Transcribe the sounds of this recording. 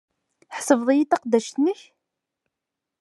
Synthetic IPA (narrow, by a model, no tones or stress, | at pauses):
ħsəvðˤijit̪ɑqd̪ːæʃt̪nəç